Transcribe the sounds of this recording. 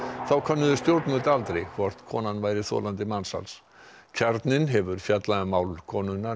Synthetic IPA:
θawkʰœnːʏðʏst̪jowɾt̪mʏlt̪alt̪ɾejkʰvɔr̥t̪kʰɔ̰ːnanvaːjɾɪθɔ̰ːlant̪ɪmansa̰ls | cʰɛɾt̪nɪnɦɛvʏɾ̥fjat̪laɪmawlkʰɔːnʏna

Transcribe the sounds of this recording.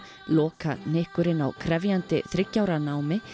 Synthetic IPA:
lɔːkanɪhkʏɾɪna̰wkʰɾɛvjant̪ɪ̰θɾɪcːawɾanaːwmɪ

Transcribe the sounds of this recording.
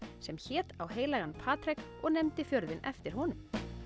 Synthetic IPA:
sɛmçɛːt̪awɦeːjlajɣanpʰaːt̪ɾɛk | ɔɣnɛmt̪ɪfjœɾðɪnɛ̰ft̪ɪɾ̥hɔnʏm

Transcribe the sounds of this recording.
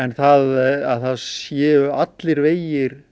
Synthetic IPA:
ɛnθaðaðθaðsjɛːʏat̪lɪɾveːjɪɾ̥

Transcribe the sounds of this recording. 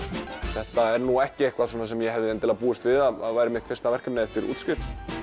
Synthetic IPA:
θɛht̪aɛɾnuɛhcɪejhkvaðs̬ɔːnas̬ɛmjɛhɛvðɪɛnt̪ɪlðpuːɪst̪vɪðaðaðvajɾɪmɪht̪fɪr̥t̪avɛr̥kɛmnaɛft̪ɪɾṵːt̪scɪɾ̥t̪

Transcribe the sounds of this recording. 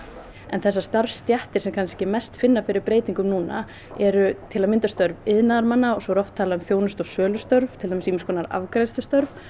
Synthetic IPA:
ɛnθɛsːast̪aɾvfst̪jaht̪ɪɾ̥sɛmkʰanscɪmɛst̪fɪnːafɪɾɪɾpɾeːjt̪iŋkʏmnuːna̰ | ɛɾʏt̪ʰɪlaðmɪnt̪ast̪œɾvɪðnaðaɾmanːaɔɣsɔɾɔft̪ʰːaːlaʏmθjoːwnʏst̪ɔɣsœːlʏst̪œɾvt̪ʰɪlt̪amɪsimɪskʰɔːnaɾa̰vkɾajst̪ʏst̪œɾv

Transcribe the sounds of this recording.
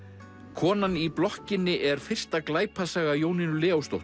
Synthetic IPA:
kʰɔːnaniplɔhcɪnːɪʔɛɾ̥fɪr̥st̪aklaːjpʰasaɣajoːwnɪnʏlɛːawst̪owht̪

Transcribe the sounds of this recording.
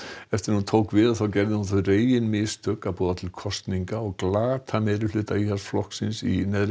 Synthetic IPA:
ɛft̪ɪɾnhunt̪ʰoːwkvɪðaθawcɛɾðɪhunθœjreːjjɪnmɪst̪œkːapɔːðat̪ʰɪlkʰɔst̪niŋkaɔɣklaːt̪ʰamɛːɾɪflʏːt̪aiːhḁsflɔhksɪnsinɛðɾ

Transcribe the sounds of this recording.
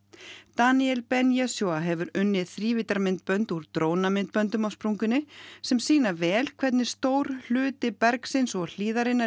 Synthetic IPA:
t̪aniɛlpɛnjasjoaɦɛvʏɾʏnːɪðθɾiːvɪt̪aɾmɪnt̪̚pœnt̪uɾt̪ɾoːwnamɪnt̪̚pœnt̪ʏmawspɾuŋkʏnːɪsɛmsiːnavɛːlkʰvɛt̪̬nɪ̥st̪oːwɾ̥l̥ʏːt̪ɪpɛɾksɪnsɔɣl̥iːðaɾɪnːa

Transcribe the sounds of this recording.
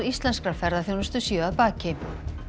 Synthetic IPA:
ɾist̪lɛnskɾaɾfɛɾðaθjownɛst̪ʏsjœːaðpaːcɪ

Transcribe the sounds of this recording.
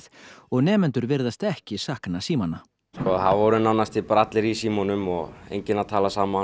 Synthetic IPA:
θɔɣnɛːmɛnt̪ʏɾvɪɾðast̪ɛhcɪsaːhknasiːmana | skɔɦavvɔɾʏnawnast̪ipɾat̪lɪɾisiːmɔnʏmɔɣḛjɲcɪnat̪ʰaːlasaːma

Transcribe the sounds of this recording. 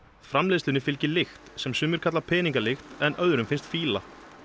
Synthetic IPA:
fɾamleːðslɪnɪfɪlcɪlɪxt̪sɛmsʏmːʏɾ̥kʰat̪lapʰɛːniŋk̬alɪxt̪ɛnʔœðɾʏmfɪnst̪fiːla

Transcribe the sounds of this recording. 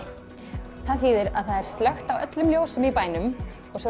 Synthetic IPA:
θaðθiːðɪɾaðθaðɛɾ̥st̪lœxt̪awœ̰t̪lʏmljoːwsʏmipaːjnʏm | ɔɣsɛ

